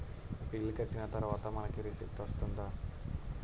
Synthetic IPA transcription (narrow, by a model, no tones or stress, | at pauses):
pilːkɐʈːinɐt̪ɐɾuʋaːt̪ɐmɐnɐkiɾisḭp̚t̪ʋɐst̪und̪aː